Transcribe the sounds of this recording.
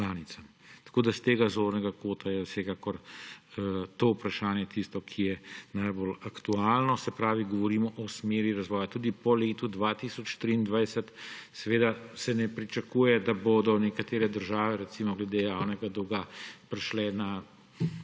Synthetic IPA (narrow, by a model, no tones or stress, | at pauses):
t͡ʃaːnit̪sam | t̪ḁkoːd̪ast̪eːɡazoːɾnɛɡakoːt̪ajɛwsɛkaːkɔɾ | t̪oupɾaʃaːnjɛt̪ist̪ɔkʰijɛnajbolakt̪uaːlnɔsɛpɾaːʋiɡɔʋɔɾiːmɔʔɔsmeːɾiɾazʋɔːjat̪uːd̪ipɔleːt̪ud̪ʋat̪isɔt͡ʃt̪ɾiːnd̪ʋajsət̪sɛʋeːd̪asɛnɛpɾit͡ʃakuːjɛd̪abod̪ɔnɛkat̪eːɾɛd̪əɾʒaːʋɛɾɛt̪simɔɡlɛd̪ejaːwnɛɡad̪ɔɡapɾɛʃlɛna